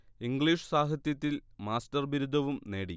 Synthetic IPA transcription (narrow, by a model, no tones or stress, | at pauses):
iŋɡɭiːʂɨsaːɦɐt̪jɐt̪ːilmaːstɐrʋiɾud̪ʱɐʋumne̞ːɽi